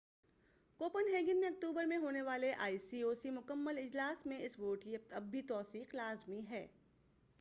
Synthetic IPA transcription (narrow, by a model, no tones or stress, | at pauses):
koːpənɦeːɡɪnmẽɐk̚ʈ̪uːbəɾmẽɦoːneʋaːleʔa̰ːiːsiːoːsimʊkəmːəlɪd͡ʒlaːsmẽɪsʋoːʈkijɐp̚t̪ɐbʱːit̪ɔːsiːqlaːzmiɦɛː